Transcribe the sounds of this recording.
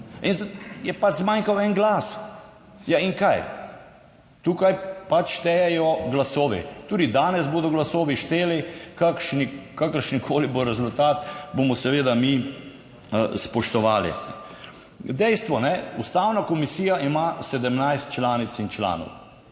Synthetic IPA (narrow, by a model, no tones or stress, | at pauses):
inzjɛpad͡ʒzmaːŋkawɛnɡlaːs | jaiŋkaj | t̪uːkajpat͡ʃʃt̪ɛjɛjɔɡlasoːʋḭt̪uːd̪id̪aːnɛzboːd̪ɔɡlasoːʋiʃt̪eːlikakʃnikakəɾʃnikʰoːliboɾɛzʊlt̪aːt̪bomɔsɛʋeːd̪ami | spɔʃt̪ɔʋaːlḭnɛ | d̪ɛjst̪ʋɔnɛust̪aːwnakɔmisiːjaimasɛd̪əmnajst̪̚t͡ʃlaːnit̪t͡s̪int͡ʃla̰ːnɔ̰w